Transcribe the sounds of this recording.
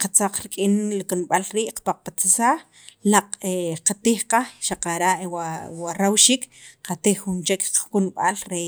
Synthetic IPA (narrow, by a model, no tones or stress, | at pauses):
qat͡saq͡χɾikʼinlikunɓalɾiːʔqḁpaq͡χ̚pat͡sisaːχ | laq͡χeqat̪iːχqaxʃaqaɾaʔwawaɾawʃiːkqat̪iχːunt͡ʃekkunɓalɾe